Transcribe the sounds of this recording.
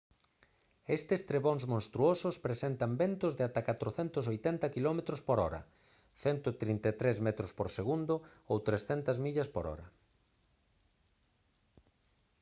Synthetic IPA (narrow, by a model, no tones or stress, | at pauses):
est̪ɪst̪ɾeβoŋzmõnst̪ɾuosʊspɾesɛnt̪ɐmbent̪ʊzðɪat̪akat̪ɾoθɛnt̪ʊs̬ojt̪ɛnt̪ɐkilɔmet̪ɾospoɾɔɾɐ̰ | θɛnt̪ot̪ɾint̪et̪ɾezmɛt̪ɾospoɾseɣund̪ʊowt̪ɾesθɛnt̪ɐzmiʎɐspoɾɔ̰ɾɐ̰